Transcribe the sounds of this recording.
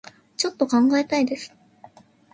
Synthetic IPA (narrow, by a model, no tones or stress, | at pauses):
t͡ɕo̞t̪ːo̞kãŋɡae̞t̪aid̪e̞sɨ̥